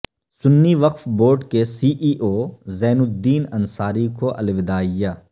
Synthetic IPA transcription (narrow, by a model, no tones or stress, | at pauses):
sʊnːiʋɐqfboːʈkesiːʔiːʔoːzɛːnʊd̪ːiːnɐnsaːɾikoʔɐ̰lʋɪd̪aːɪjaː